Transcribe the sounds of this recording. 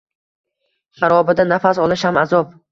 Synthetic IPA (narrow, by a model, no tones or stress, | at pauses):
ʃaɾɒbɪd̪anafasɒlˠɪʃhamazɒp̚